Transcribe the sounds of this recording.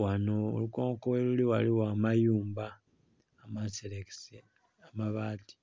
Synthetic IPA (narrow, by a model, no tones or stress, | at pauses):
wanoo̰lukoːŋkoweluliwaliwaːmajuːmbaː | maselekse | amaβaːti̥